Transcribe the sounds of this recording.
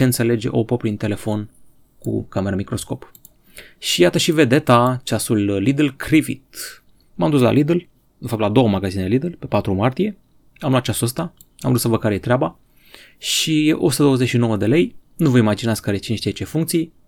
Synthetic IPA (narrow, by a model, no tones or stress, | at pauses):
eɨnt̪se̞le̞d͡ʒe̞̰ʔo̞popɾint̪e̞le̞fo̞n | kṵkame̞ɾəmikɾo̞sko̞p | ʃijat̪əʃive̞d̪e̞t̪at͡ʃasulːid̪əlkʰɾivḭt̪ | mamd̪us̬la̰lid̪əl | d̪efap̚t̪lad̪o̞wəmaɡazineelid̪əlpe̞pat̪ɾumart̪ije̞ | amlat̪t͡ʃasuəs̬t̪a | amusəvəkaɾejet̪ɾʲeaba | ʃiost̪əd̪owəzeʃinowəd̪e̞le̞jnuvəimad͡ʒinatskaɾet͡ʃinʃt̪ijet͡ʃe̞fuŋkt̪sij